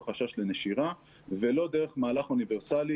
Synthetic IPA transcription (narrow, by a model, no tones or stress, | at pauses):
χaʃaʃleneʃiʁa | velo̞d̪eʁeχmaːlaχuniveʁsali